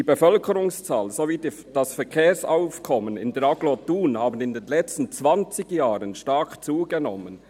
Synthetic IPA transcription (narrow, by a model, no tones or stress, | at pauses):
iːbefœlkʰəɾʊŋst͡saːlzoviːd | d̥ɑsfɛɐkʰeːsaʊfkʰɔmənɪ̰ndɛɾɑɡlotuːnhaːbən̩ɪndenlɛt͡stn̩t͡sv̥ɑnt͡sɪɡjaːʁənʃtakt͡suːɡənɔmən